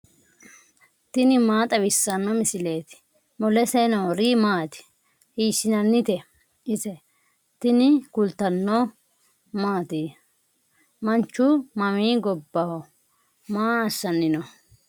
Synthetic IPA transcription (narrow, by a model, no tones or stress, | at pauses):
t̪ɪnɪmaːt̪ʼɐwɪsːɐnːɔmɪsɪle̞ːt̪ | mɔlɛsɛjnɐɔɾiːmaːt̪ɪ̥ | hiːʃːɪnɐnːɪt̪ɛ | ɪsɛ | t̪ɪnɪkʊlt̪ɐnːɔ | maːt̪iː | mɐnt͡ʃːʊmɐmiːɡɔbːɐhɔ | maːɐsːɐnːɪnɔ